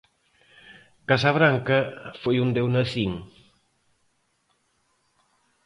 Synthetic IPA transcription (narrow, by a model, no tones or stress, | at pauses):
kasɐβ̞ɾaŋkɐfojund̪ewnɐθiŋ